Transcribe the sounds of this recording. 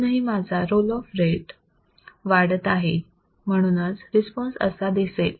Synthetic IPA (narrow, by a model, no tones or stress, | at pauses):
nəɦimad͡zʱaɾolɔfɾeʈ | ʋaɽət̪aɦe | m̤əɽ̃uːnət͡sɾispɔnsə̰sad̪isel